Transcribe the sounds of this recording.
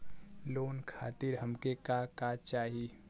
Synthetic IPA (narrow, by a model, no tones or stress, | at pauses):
loːnkʰa̰ːt̪ɪɾɦəmkekakat͡ʃaːɦi